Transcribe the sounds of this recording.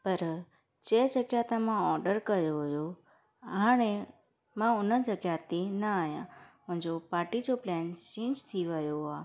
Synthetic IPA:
pəɾ | t͡ʃed͡ʒəkjat̪amãɔɾɖəɾkəjoɦjo | añe | mãonəd͡ʒəɡjat̪inəajã̰mə̃d͡ʒopaʈit͡ʃoplɛnsĩt͡ʃt̪ʰiʋəjoa

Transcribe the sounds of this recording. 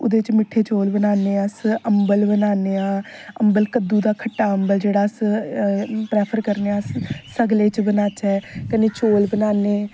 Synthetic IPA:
ʊ̰d̪eːt͡ʃmɪʈʰːeːt͡ʃoːlbənaːneːəsəmbəlbənaːneːaːəmbəlkəd̪ːũːd̪aːkʰəʈːaːəmbəld͡ʒeːɽaːs | pɾɛːpʰəɾkəɾneːaːsəɡleːt͡ʃbənaːt͡ʃɛːkəneːt͡ʃoːlbənaːneː

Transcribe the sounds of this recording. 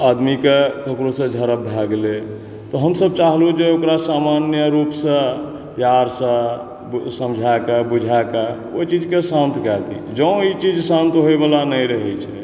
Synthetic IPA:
ad̪mikekəkɾosə̃d͡ʒʱəɾəbʱɛɡle | t̪ɔɦəmsəb̚t͡ʃaɦlud͡ʒeokɾasamanjəɾupsə̃ | pjaɾsə̃ | səmd͡ʒʱaekabud͡ʒʱaeke | ot͡ʃid͡ʒkesãnt̪kɛt̪ḭd͡ʒə̃w̃it͡ʃid͡ʒsãnt̪ɦoebalanəjɾəɦɛt͡ʃʰɛ

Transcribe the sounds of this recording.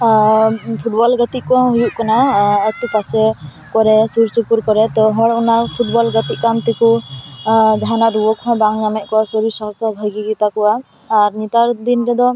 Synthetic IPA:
pʰuʈ̚bɔlɡət̪iʔkɔɔ̃ɦujuʔkanaɛt̪ukasɛ | kɔɾɛsuɾsupuɾkɔɾɛt̪ɔɦɔɽunapʰuʈ̚bɔlɡət̪iʔ̚kant̪ɛku | d͡ʒaɦanaʔɾuwɔkʰɔ̃baŋɲamɛʔ̚kɔwasɔɾisɔɦɔst̪ʰɔbʱaɡiɡit̪akɔwaː | ɾnit̪aɾd̪inɾɛd̪ɔ

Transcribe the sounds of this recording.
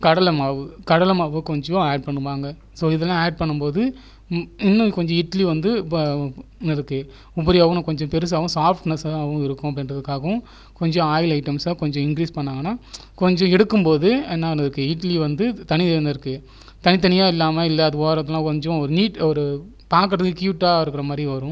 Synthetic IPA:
kɐɽɐlɐmaːʋɯkɐɽɐlɐmaːʋɯkɔɲd͡ʒɔ̃eːɖ̚pɐɳːɯʋaːŋɡɐ | soːɪðɛlːãːeːɖ̚pɐɳːɯmpoːðɯ | ɪnːʊ̃kɔɲd͡ʒɔ̃ɪʈɐliʋɐnd̪ɯ | nɪɾɯkːɯ | ʊbɐɾɪjaːʋʊ̃nɐ̃kɔɲd͡ʒɔ̃pɛɾɯs̬aːʋʊ̃saːfʈnɐsaːʋʊ̃ɪɾɯkːʊ̃ɐpːɽɪ̃ndrɐðɯkːaːɣɐʊ̃ | kɔɲd͡ʒɔ̃aːjɪlɐɪʈːɐmsãkɔɲd͡ʒɔ̃ɪŋkɾiːspɐɳːaːŋɡɐnːaː | kɔɲd͡ʒɔ̃ɛɽɯkːɯmpoːðɯenːaːnɪɾɯkːɯɪːʈliʋɐnd̪ɯt̪ɐnɪnɪɾɯkːɯ | t̪ɐnɪt̪̬ɐnɪjaːɪlːaːmɐɪlːɛɐðɯʋoːɾɐt̪ːɐlãːkɔɲd͡ʒɔ̃ɔɾɯniːʈɔɾɯ | paːkɐʈɐðɯkːɯkjuːʈːaːɪɾɯkːɪɾɐmaːd̪ɾiʋɐɾʊ̃

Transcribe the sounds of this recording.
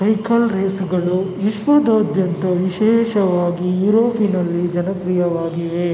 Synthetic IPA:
sɐjkɐlɾeːsuɡɐɭuʋiʃʋɐd̪ʱaːd̪ʱjɐnt̪ɐʋiʃɛːʃɐʋaːɡijuɾoːpinɐlːid͡ʒɐnɐt̪ɾijɐʋaːɡiʋe

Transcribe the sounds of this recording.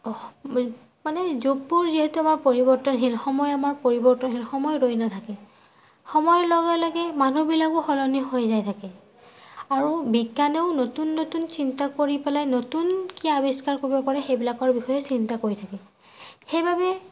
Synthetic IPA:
manɛzuɡ̚puɹziɦetuamaɹpoɹibɔɹtɔnɦilxɔmɔjamaɹpoɹibɔɹtɔnɦilxɔmɔjɹojnatʰakɛ | xɔmɔjlɔɡalaɡɛmanubilak̚bɔxɔlɔniɦojzajtʰakɛ | aɹubiɡːaneʊnotunːotunsintakoɹipɛlajnotunkiabiskaɹkoɹibɔpaɹɛxejbilakɔɹbixɔjɛsintakoɹitʰakɛ | xejbabɛ

